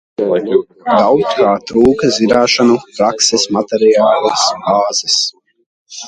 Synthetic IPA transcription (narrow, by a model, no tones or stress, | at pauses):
ɡ̪awt̪kaːt̪ɾuːkɐzʲiɾaːʃanupɾaksɛsmat̪ɛɾijaːlˠasbaːz̥ɛs